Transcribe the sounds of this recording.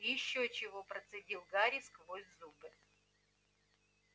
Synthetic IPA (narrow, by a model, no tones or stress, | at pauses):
jɪɕːot͡ɕɪvopɾət̪sɨdʲilˠɡaɾʲiskvozʲzubɨ